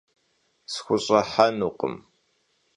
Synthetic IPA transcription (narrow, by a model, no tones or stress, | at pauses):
sxʷʊɕʼɐħanuqə̰m